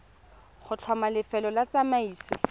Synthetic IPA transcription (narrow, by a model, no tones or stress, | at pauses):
χʊt͡ɬʰwɔmalɪfɛlɔlat͡samaiːswɪ